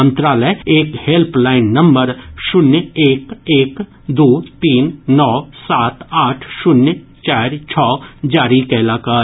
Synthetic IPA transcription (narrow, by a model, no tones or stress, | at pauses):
ə̃nt̪ɾaːləeːkhelplaːɪnːɐmbəɾʃʊnjeːkeːk | d̪uːt̪iːnːɔːsaːt̪aːʈʰʃʊnjt͡ʃaːɾt͡ʃʰɔːd͡ʒaːɾikaɪlaːkaːɾ